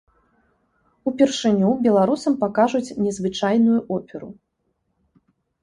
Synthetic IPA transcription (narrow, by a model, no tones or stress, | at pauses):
upʲɛrʂɨnʲubʲɛlˠaɾusɐmpakaʐut͡sʲnʲɛzvɨt͡ʂajnujuʔɔpʲɛɾu